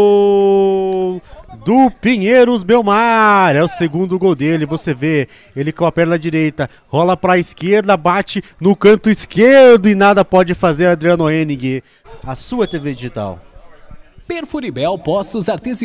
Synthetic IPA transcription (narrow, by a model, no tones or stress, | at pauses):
d̪ʊpiɲeɾʊzmewmaɾɛʊseɡũnd̪ʊɡowd̪elɪvoseve | elɪkɐ̃ɐpɛɾlɐd͡ʒiɾejt̪ɐ | hɔlɐpɾɐiskeɾd̪ɐbat͡ʃɪnʊkɐ̃nt̪ʊiskeɾd̪ʊɪnad̪ɐpɔd͡ʒɪfazeɾɐ̃d̪ɾiɐ̃noẽniɡɪ | ɐsuɐt̪eved͡ʒiʒit̪a̰w | peɾfuɾibɛwpɔsʊzaɾt̪ezi